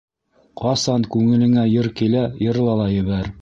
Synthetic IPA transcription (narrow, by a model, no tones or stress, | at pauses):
qɑsɑnkʉŋɘ̆lɘ̆ŋæjɤɾkilæjɤ̆ɾlˠɑlˠɑjɘ̆βæɾ